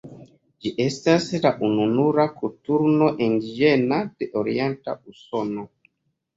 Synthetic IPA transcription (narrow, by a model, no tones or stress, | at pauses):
d͡ʒiʔestaslaʔununuɾakutuɾnoʔindiʒenad̥eʔoɾientausono